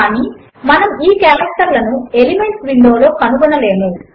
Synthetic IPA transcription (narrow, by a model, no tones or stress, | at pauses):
aːniː | mɐnɐmiːkaːɾɐk̚ʈɐɾlɐnuelimeɳʈsʋiɳɖo̞ːlo̞ːkɐnuɡunːɐle̞ːmu